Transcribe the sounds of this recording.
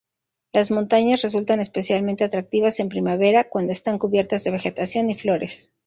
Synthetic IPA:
lazmo̞nt̪aɲasre̞s̬ult̪ane̞spe̞sjalmẽ̞nt̪e̞at̪ɾak̚t̪iβase̞mpɾimaβe̞ɾakwand̪oest̪aŋkuβje̞ɾt̪azðe̞βe̞xe̞t̪asjo̞niflo̞ɾe̞s

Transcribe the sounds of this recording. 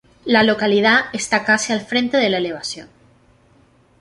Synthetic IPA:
lalo̞kalið̞aest̪akasialfɾẽ̞nt̪e̞ðe̞laele̞β̞asjo̰n

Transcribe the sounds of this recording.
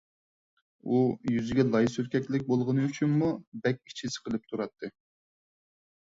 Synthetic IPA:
ujyzɪɡʲɛlˠɑjsyɾkʲɛkʲlɪkʲbolˠʁənɨyt͡ʃʰynmubɛkʲːi̥t͡ʃʰɪsɪ̥qʰəlˠɨp̚t̪ʰuɾɑt̪ʰːɨ

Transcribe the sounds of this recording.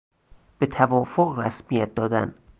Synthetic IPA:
b̥et̪ʰævɒfoʔræsmijæt̪̚d̪ɒːd̪æ̰n

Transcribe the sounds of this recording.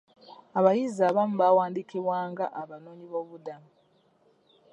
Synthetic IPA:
aβajizaβamuβawaːndikiβwaːŋɡaʔaβano̞ːɲiβo̞βudamu

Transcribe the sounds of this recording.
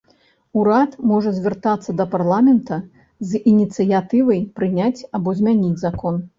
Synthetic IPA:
uɾat̪mɔʐɐzʲvʲɛrt̪at̪sːɐd̪ɐparlˠamʲɛnt̪ɐ | zinʲit̪sɨjat̪ɨvɐjpɾɨnʲat͡sʲabɔzʲmʲanʲid͡zʲzakɔn

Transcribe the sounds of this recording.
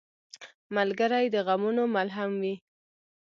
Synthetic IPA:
malɡəɾajd̪əɣamunomalɦamwi

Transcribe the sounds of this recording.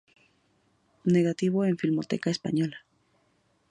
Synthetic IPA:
neɣat̪iβoenfilmo̞t̪ekaespa̰ɲo̞la

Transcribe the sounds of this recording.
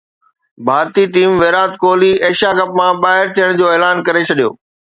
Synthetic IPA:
bʱaːɾt̪iʈiːmʋeːɾaːt̪koːliʔeːʃakɐp̚mãɓaːɦɪɾt̪ʰijəɽ̃d͡ʑoːeːlaːnkɐɾet͡ɕʰɐɗijo̰ː

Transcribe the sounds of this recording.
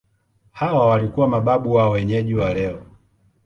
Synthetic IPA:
hawawalikuwamaɓaɓuwaɔwɛɲɛʄiwalɛɔ

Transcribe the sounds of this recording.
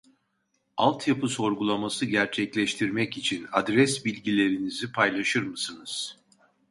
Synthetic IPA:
alˠt̪ʰjapʰɯso̞ɾɡulˠamasɯɟæɾt͡ʃʰɛclʲɛʃt̪ʰiɾmɛcit͡ʃʰinad̪ɾɛsbilʲɟilʲe̞ɾinizipʰajlˠaʃɯɾmɯsɯnɯz̥

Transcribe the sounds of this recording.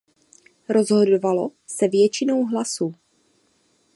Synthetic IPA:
ɾo̞zɦo̞dovalo̞sɛvjɛt͡ʃɪno̞wɦlasu

